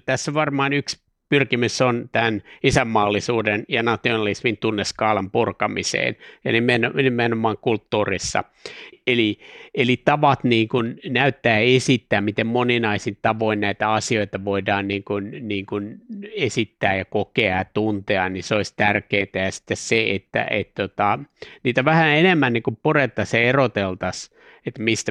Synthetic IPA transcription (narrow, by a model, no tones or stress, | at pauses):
t̪æsːʋɑrmɑːnyks | pyrkimysont̪ænisæmːɑːlːisuːdenjɑnɑt̪ionɑlismint̪unːeskɑːlɑmpurkɑmisḛːnjɑ̰nimenonimenomɑːŋkult̪ːuːrisːɑ̰ | elielit̪ɑʋɑt̪niːŋkunnæyt̪ːæːesit̪ːæːmmit̪emmoninɑisint̪ɑʋoinnæit̪æɑsioit̪ɑʋoidɑːnniːŋkunniːŋkunesit̪ːæːjɑkokeɑjɑt̪unt̪eɑnniseoisʲt̪ærkeːnt̪æjɑsi̥t̪ːesseet̪ːæ̰ʔḛt̪t̪ːot̪ɑniːt̪æʋæhæenemːænːiŋkumpuret̪ːɑsɑerot̪elt̪ɑs | et̪mist̪æ